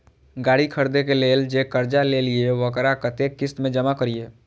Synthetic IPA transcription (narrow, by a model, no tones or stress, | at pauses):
ɡaːɽikʰəɾd̪ekeleːld͡ʒeːkəɾd͡ʒalelieʋəkɾakət̪eːkːɪst̪mẽd͡ʒəmakəɾieː